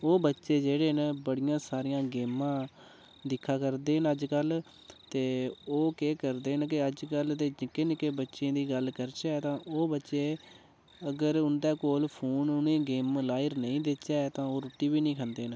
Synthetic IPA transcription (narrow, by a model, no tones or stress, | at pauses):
oːbətːʃeːd͡ʒeːɽeːnbəɽɪjãːsaːɾɪjãːɡeːmãː | d̪ɪkʰːaːkəɾd̪eːɦənəd͡ʒkəl | t̪eːoːkeːkəɾd̪eːnk̬ɪəd͡ʒkəlt̪eːd͡ʒɪkenkebətːʃẽːd̪iːɡəlkəɾt͡ʃaːt̪ãːʔoːbətːʃeː | əɡəɾʊnd̪aːkoːlpʰuːnʊnẽːɡeːmlaːɪɾnəĩːd̪et͡ʃaːt̪ãːoːɾʊʈiːbiːnĩːkʰənd̪eːn